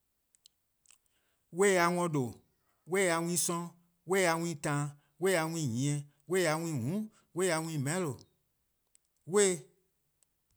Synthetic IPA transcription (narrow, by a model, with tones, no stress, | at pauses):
we˦˨a˧ŋɔ̃˧do˨ | we˦˨a˧w̃ĩ˦sɔ̃˦ | we˦˨a˧wĩ˦tã˧˨ | we˦˨a˨˧wʷĩ˦˨ɲĩ˨ɛ̃˨ | we˦˨a˧wʷĩ˦˨ɦũ˨˦ | we˦˨a˨˧w̃ĩ˦˨mɛ̃˨˦lo˨ | we˦˨